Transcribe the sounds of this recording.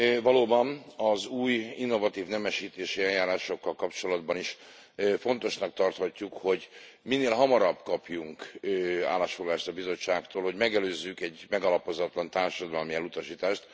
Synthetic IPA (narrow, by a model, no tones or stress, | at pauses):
vɒloːbɒnɒzuːjinːo̞vɒt̪iːvnɛmɛʃiːt̪eːʃiɛjjaːɾaːʃo̞kːɒlkɒpt͡ʃo̞lɒd̪bɒniʃ | fo̞n̪t̪o̞ʃnɒk̚t̪ɒrt̪hɒcːukho̞ɟminːeːlɦɒmɒɾɒbkɒpjuŋkːa̰ːlːaːʃfoɡlaːʃt̪ɒbizo̞t͡ʃːaːkt̪oːlho̞ɟmɛɡɛløːzːykɛɟmɛɡɒlɒpo̞zɒt̪lɒnt̪aːrʃɒd̪ɒlmiɛlut̪ɒʃiːt̪aːʃt̪